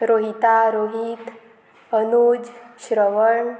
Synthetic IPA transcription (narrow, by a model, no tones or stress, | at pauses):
ɾoɦit̪aɾoɦit̪ | ənod͡ʑɕɾəʋəɳ